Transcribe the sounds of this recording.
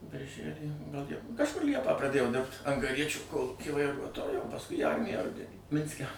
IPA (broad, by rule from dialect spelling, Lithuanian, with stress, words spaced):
bʲɪrʲˈʒʲælʲiː ɡɐlˠ ˈlʲiɛpɑː kɐʃˈkʊr ˈlʲiɛpɑː prɐˈdʲeːjɛʊ dʲɪrpt ɐŋɡɐˈrʲiɛt͡ʃʲʊ ˈkoːlˠuːkʲiː ʋɐɪˈruɔtoːjʊ oː pɐsˈkʊɪ iː ˈɐrʲmʲɪjæː ˈrʊdʲɛnʲiː ˈmʲɪnʲsʲkʲɛ